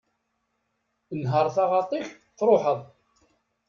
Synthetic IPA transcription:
ənɦəɾˤθɑʁɑt̪ˤiç | θɾˤoħəðˤ

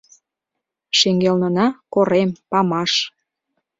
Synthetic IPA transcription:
ʃeŋɡelnənɑkoɾempɑmɑʃ

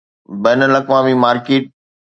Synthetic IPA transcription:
bɛːnəlɐkʋaːmimaːɾkeːʈ̚

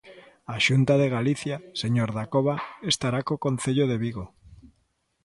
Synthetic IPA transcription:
aʃunt̪aðeɣ̞aliθjaseɲoɾðakoβ̞aest̪aɾakokõn̟θeʎoðeβiɣo

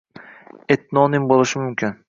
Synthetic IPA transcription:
et̪̚nɒnɪŋbolˠɪʃɪmʊmkʲʰɪn

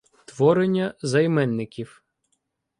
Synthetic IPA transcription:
t̪ʋɔɾenʲːɐzɐjmɛnːɪkʲiw

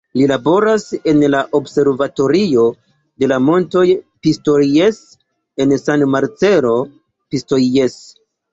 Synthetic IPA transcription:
lilabo̞ɾase̞nlaʔo̞bse̞ɾvato̞ɾio̞ | de̞lamo̞nto̞jpisto̞ɾjes | e̞nsanmaɾt͡se̞ɾo̞ | pisto̞jes

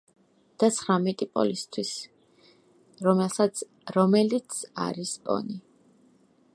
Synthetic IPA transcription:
d̪̥at̪sʰχɾamɛt̪ʼipʼɔ̰list̪ʰwis | ɾɔmɛlˠsat̪sʰ | ɾɔmɛlit̪sʰa̰ɾispʼɔ̰ni

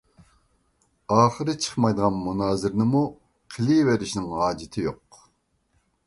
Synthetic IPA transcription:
ɑːχəɾɨt͡ʃʰə̥χmɑjd̪əʁɑnmunɑːzɪɾnɪmu | qʰɪliveɾɪʃnɪŋhɑːd͡ʒɪt̪ʰɪjoq

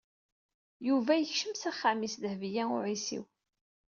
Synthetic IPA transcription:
juvæjəçʃəmsæχːæmisðəhvjæʊ̰ɾisḭw

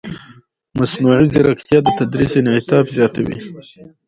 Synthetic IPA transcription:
masnuʕiziɾakt̪jɑd̪ət̪ad̪ɾisenɪt̪ɑbzjɑt̪awḭ

